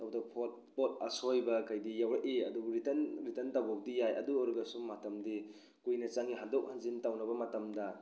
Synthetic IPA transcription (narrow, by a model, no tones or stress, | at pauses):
awdɐpʰot̚pot̚ɐ̰sojbɐkɐjdijawɾaʔiɐ̰duɡɾitɐnɾitɐntawɡok̚dijajʔɐ̰duɔɾɡɐsumːatɐmdi | kujnɐt͡ʃaŋiɦandok̚hanzintawnɐbɐmɐtɐmdɐ